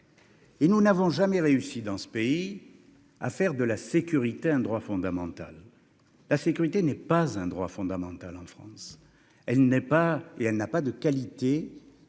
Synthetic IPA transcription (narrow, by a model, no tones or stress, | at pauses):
enunavɔ̃ʒamɛʁeysid̪ɑ̃sə̥pei | a̰fɛʁd̪əlasekʲyʁit̪eɛ̃d̪ʁwafɔ̃d̪amɑ̃t̪a̰l | lasekʲyʁit̪enɛpazɛ̃d̪ʁwa̰fɔ̃d̪amɑ̃t̪alɑ̃fχɑ̰̃s | ɛlnɛpaeɛlnapad̪əkalit̪e